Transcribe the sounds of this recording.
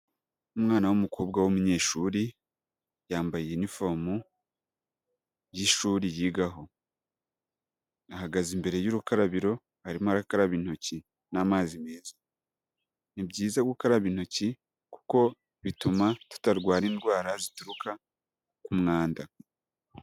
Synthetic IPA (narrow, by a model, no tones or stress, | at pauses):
umŋaːnawumukʰoːbɡawumuɲe̞ːʃuːɾi | jaːmbajijenifo̞mu | jiʃuːɾijiːɡaɦo̞ | ahaɡazimbe̞ɾe̞juɾukaɾaβiɾo̞ | haɾimaɾakaɾaβin̥oci | naːmaːzimeːza | nibɟiːzaɡukaɾaβin̥oci | ku̥ko̞ | βitumatu̥taɾɡwaːɾiːndɡwaːɾazituɾukʰa | kumŋaːnda